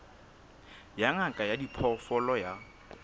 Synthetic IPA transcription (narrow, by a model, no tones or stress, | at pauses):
jaŋakʼajadipʰɔfɔlɔja